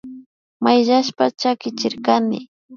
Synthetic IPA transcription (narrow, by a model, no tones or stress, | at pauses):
majʎaʃpat͡ʃakɪt͡ʃɪɾkanɪ̰